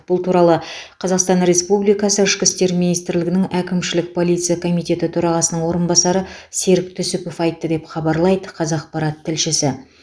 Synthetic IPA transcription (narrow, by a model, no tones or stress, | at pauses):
b̥ʊlˠt̪ʰuɾɑlˠəqʰɑzɑqst̪ɑnɾe̞spublijkɑsəɪʃkʲɪst̪e̞ɾminijst̪ɪɾlɪɡɪnɪŋækʲɪmʃɪlɪk̚pʰo̞lˠijt̪sɨjɑkʰo̞mijt̪e̞t̪ɪt̪ʰɵɾɑʁɑsənəɴwo̞ɾənbɑsɑɾəseɾɪk̚t̪ʰʏsɪpo̞fɑjt̪ːəd̪e̞pχɑbɑɾlˠɑjd̪əqʰɑzɑq̚pɑɾɑt̪ʰːɪlʃɪsɪ